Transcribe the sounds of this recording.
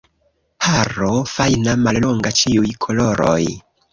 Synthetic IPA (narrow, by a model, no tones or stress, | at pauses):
pʰaɾofajnamalloŋɡat͡ʃiujkʰoloɾo̰j